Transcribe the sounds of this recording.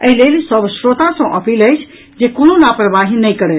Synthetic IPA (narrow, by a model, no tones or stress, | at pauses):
əɦilelisəbsɾot̪ãsɔ̃ʔɐpiləjt͡ʃʰ | d͡ʒekononaːpɾəʋaːɦĩnəikəɽe